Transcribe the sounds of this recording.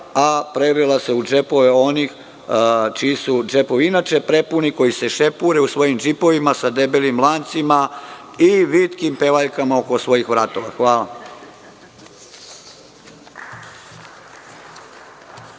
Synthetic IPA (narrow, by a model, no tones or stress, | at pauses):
apɾeɾilase̞ud͡ʒe̞po̞ʋeo̞nix | t͡ʃijisud͡ʒe̞po̞ʋiinat͡ʃe̞pɾe̞puniko̞jise̞ʃe̞puɾe̞usʋo̞jimd͡ʒipo̞ʋimasad̪e̞belimlˠant̪sima | iʋit̪kimpe̞ʋaʎkamaoko̞sʋo̞jixʋɾat̪o̞ʋaxʋaːla